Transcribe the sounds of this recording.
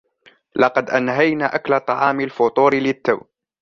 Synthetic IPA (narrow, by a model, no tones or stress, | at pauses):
lɑqɑd̪ʔanɦajnaːʔaklat̪ˤɑʕɑːmɪlfʊt̪ˤuːɾɪlɪt̪ːaw